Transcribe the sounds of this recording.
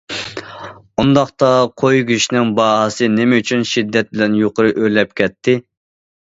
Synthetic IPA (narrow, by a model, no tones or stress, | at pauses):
und̪ɑχt̪ɑqʰojɡʲyʃnɪŋbɑːɦɑsɨnɪmɛyt͡ʃʰynʃid̪ːɛt̪̚bɪlɛnjoqəɾɨʔølɛp̚kʲʰɛt̪ʰːɪ